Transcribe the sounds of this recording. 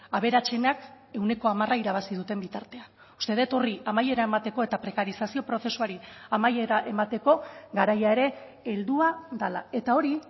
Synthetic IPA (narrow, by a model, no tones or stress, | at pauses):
aβ̞e̞ɾat͡se̞nak | e̞wne̞ko̞amaraiɾaβ̞asið̞ut̪e̞mbit̪aɾt̪e̞an | u̥st̪e̞ðe̞t̪o̞riamaje̞ɾae̞mat̪e̞ko̞e̞t̪apɾe̞kaɾisasio̞pɾo̞θe̞suaɾiamajeɾaʔe̞mat̪e̞ko̞ɡaɾajae̞ɾe̞ː | ld̪uaðala̰e̞t̪ao̞ɾi